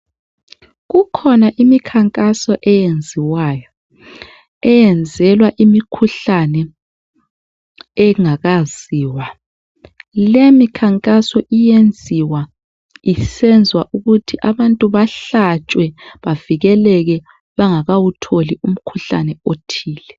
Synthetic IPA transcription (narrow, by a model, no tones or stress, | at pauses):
ɣukʰɔnaʔimikʰaŋkʼasɔʔɛjend͡zʱiwajɔ | ɛjɛnd͡zʱɛlwaʔimikʰuɬanɛ | ɛŋaɣaz̥iːwa | lemikʰaŋkʼasɔʔijend͡zʱiwa | isɛnd͡zʱwaʔuɣutʰiʔaβantʼuβaɬat͡ʃʼwɛβaviɣɛlɛɣɛ | βaŋaɣawutʰolium̩kʰuɬa̰nɛotʰiːlɛ